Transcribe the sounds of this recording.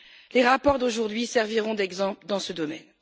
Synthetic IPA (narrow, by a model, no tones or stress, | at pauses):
leʁapɔʁd̪oʒuʁd̪ɥisɛʁviʁɔ̃d̪ɛɡzɑ̃pld̪ɑ̃səd̪ɔmɛn